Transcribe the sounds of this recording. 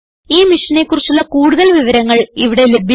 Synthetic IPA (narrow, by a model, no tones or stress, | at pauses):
iːmiʂɐne̞kːurit͡ɕːuɭːɐkuːɽuðɐlʋiʋɐɾɐŋːɐɭiʋiɽe̞le̞bʱi